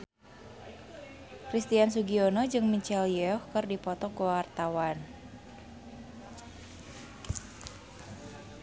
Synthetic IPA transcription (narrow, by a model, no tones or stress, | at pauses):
kɾist̪ians̬uɡionɔd͡ʒɨŋmit͡ʃɛljɛɔhkɨrdipɔt̪ɔkuwwart̪awan